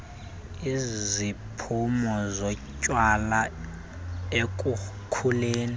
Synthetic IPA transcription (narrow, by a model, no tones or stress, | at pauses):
izipʰumɔzɔcʼwala | ek̬ʼu | kʰuleːni